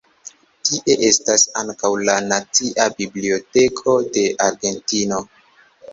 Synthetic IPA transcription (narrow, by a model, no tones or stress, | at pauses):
tiʔe̞ʔe̞stasaŋkawlanat͡siʔabiblio̞te̞kʰo̞de̞ʔaɾɡe̞ntino̞